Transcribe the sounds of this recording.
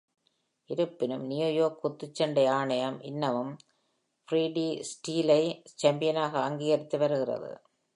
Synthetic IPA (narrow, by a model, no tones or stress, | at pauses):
ʔɪɾɯpːɪnɯmnɪjojoːkːʊt̪ːɯt͡ʃːɐɳɖɐɪaːɳɐjɐmʔɪnːɐʋɯm | fɾiːɖiːsʈiːlɐɪt͡ʃɐmbɪjɐnaːɣɐːŋɡiːɣɐɾɪt̪ːɯʋɐɾɯɣɪrɐ̰ðɯ̰